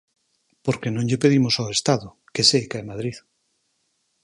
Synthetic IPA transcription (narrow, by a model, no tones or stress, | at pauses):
poɾkenõɲʎepeð̞imosawest̪aðʊ | kesejkaemaðɾið